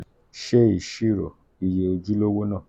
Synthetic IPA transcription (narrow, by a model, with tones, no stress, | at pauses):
ʃe˦i˨ʃi˦˨ɾo̰˨ | i˨je˨e˧d͡ʒi˦lo˦wo˦nãː˦˨